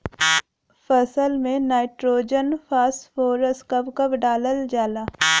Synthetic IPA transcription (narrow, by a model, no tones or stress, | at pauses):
fəsəlmẽnaːɪʈɾoːd͡ʒənfʰaːsfoːɾəskɐbkɐbɖaːləld͡ʒaːlaː